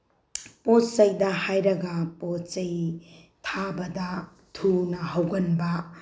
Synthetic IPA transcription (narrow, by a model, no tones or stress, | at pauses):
pot͡ʃɐjdɐhajɾɐɡɐpot͡ʃɐj | tʰabɐdɐ | tʰunɐɦɐwɡɐnbɐ